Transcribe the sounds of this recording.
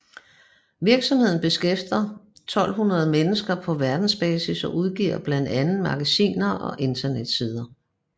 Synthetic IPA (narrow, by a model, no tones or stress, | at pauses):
ʋiɐɡ̥sɒ̽mhe̝ð̰ˠn̩b̥e̝sɡ̥efd̥ɐt͡sʰɒ̽l̰ɦunɐð̞ˠmenəsɡ̥ɐpʰɒ̽ʋæɐd̥n̩sb̥ɛːsisɒ̽ʔuð̞ˠɡ̥ḭːɐ̰b̥læn̰d̥ænn̩mɑ̈ɡ̥æsḭːnɐʔɒ̽ʔe̝nt͡sʰɐned̥siːð̞ˠɐ